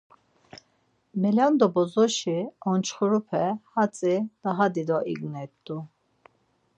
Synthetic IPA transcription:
mɛland̪ɔbɔzɔʃiɔnt͡ʃʰχuɾupʰɛhat͡sʼid̪̥aɦad̪id̪ɔʔḭɡnɛt̪ːu

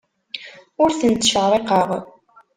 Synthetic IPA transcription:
ʊɾθənt̪ʃəʁɾˤeqəʁ

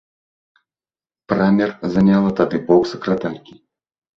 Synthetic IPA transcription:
pɾamʲɛrzɐnʲalˠɐt̪ad̪ɨbɔksɐkɾat̪alʲkʲi

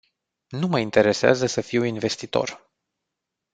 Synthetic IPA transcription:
numəint̪e̞ɾe̞sea̰zəsəfiwinve̞st̪it̪o̞̰r

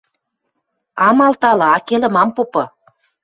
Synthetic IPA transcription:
ɑmɑlt̪ɑlɤ̆ɑkelə̆mɑmpopɤ̆

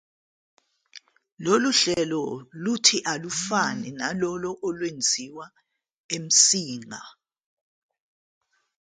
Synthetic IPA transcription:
loluɬɛlɔlutʰiʔalufanɛnalɔlɔʔɔlwend͡zʱiwa | em̩siːŋʱa

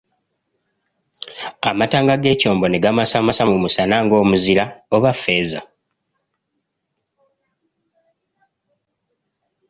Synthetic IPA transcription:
amataːŋɡaɡe̞ːco̞ːmbo̞neɡamasamasamumusanaːŋɡo̞ːmuzilaoβafːe̞ːza

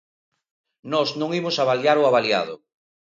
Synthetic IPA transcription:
nɔznõŋimʊsaβaljaɾʊaβalja̰ð̞ʊ̰

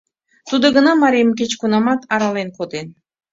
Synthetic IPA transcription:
t̪ud̪ŏɡənɑmɑɾʲejmk̬et͡ɕkunɑmɑt̪ɑɾɑlenkod̪en

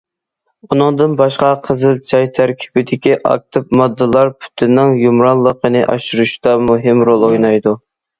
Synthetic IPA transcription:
unɨŋd̪ɨnbɑʃqɑqʰəzɨlˠt͡ʃʰɑjt̪ʰæɾkʲʰi̥b̥ɪd̪ɪkʲiʔɑ̰k̚t̪ʰɨp̚mɑd̪ːɨlˠɑɾpʰy̥t̪ʰɪnːɪŋjumɾɑnlˠːəqʰənɨʔɑ̰ʃuɾuʃd̪ɑmuɦɪmɾolˠojnɑjd̪u

